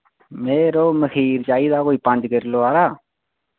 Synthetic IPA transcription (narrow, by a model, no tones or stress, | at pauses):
meːɾoːməkʰiːɾd͡ʒaːiːd̪aːkoːiːpãnd͡ʒkəɾloːaːɾaː